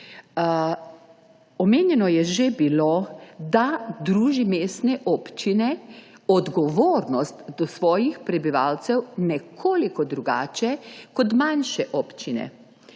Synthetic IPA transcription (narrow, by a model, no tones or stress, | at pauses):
ɔmeːnjɛnɔjɛʒebilod̪ad̪ɾuːʒimeːst̪nɛʔɔːpt͡ʃinɛɔd̪ɡɔʋoːɾnɔst̪d̪ɔsʋɔːjixpɾɛbiʋaːlt̪sɛwnɛkʰoːlikɔd̪ɾuɡa̰ːt͡ʃɛkɔt̪manʃɛʔɔpt͡ʃinɛ̰